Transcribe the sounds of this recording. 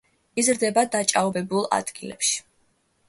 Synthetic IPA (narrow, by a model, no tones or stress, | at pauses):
izɾd̪ɛbad̪at͡ʃʼaɔbɛbulˠa̰d̪̥ɡilɛ̰pʃi̥